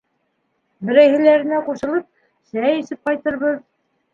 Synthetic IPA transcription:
bɘ̆ɾæjhɘ̆læɾɘ̆næquʃɤ̆lˠɤp̚ | sæjɘ̆sɘp̚qɑjt̪ɤ̆ɾβɤð

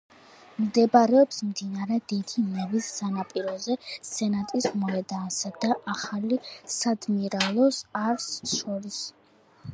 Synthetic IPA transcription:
md̪ɛbaɾɛɔpsmd̪inaɾɛd̪id̪imɛvisːanapʼiɾɔzɛɛnat̪ʼismɔɛd̪aːsad̪aʔaχalisad̪miɾalˠɔsaɾsʃɔɾis

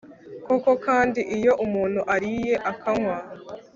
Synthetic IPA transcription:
ko̞ko̞kaːndiʔijo̞ʔumuːn̥huʔaɾije̞ʔakʰaŋwa

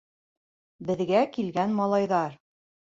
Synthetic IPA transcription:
bɘ̆ðɡækilɡænmɑlˠɑjðɑɾ

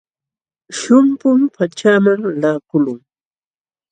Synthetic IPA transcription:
ʃʊmpʊmpʰat͡ʃaːmaŋlaːkʊlʊŋ

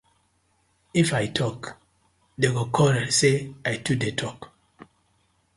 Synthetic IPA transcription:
ifajtʰɔk | deɡokʰɔɾɛseajtudetʰɔk

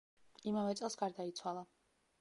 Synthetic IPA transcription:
imavɛt̪sʼɛlˠsɡaɾd̪ait̪sʰwalˠa

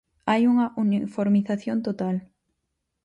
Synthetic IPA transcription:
ajuŋɐʔunifoɾmiθaθjont̪ot̪al

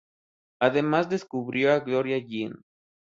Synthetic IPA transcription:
aðe̞mazd̪e̞skuβɾjo̞aɣlo̞ɾjaʝin

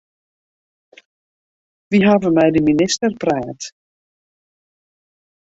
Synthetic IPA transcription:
ʋiɦaːvəmɛjdəminɪstərprɛːt

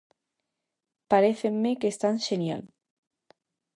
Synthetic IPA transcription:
paɾeθemːekest̪anʃenja̰l

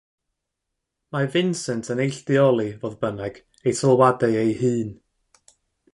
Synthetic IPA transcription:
mavɪnsɛntʰənejɬdɪɔlˠivoːðbənɛɡ̥ | ejtʰəlˠwadaɨejhɨːn

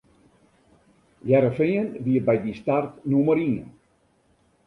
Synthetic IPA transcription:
jɛɾəfɪənʋiəbɛjdistartnuməɾiən

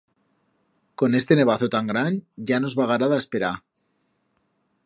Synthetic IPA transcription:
ko̞ne̞st̪e̞ne̞β̞aθot̪aŋɡɾanɟ͡ʝano̞zβaɣ̞aɾaðaespeɾa

